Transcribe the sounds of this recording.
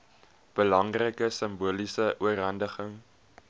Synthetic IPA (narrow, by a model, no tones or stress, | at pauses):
b̥əlɐŋrəkəsəmbuəlisəʔuərɦɐndəχəŋ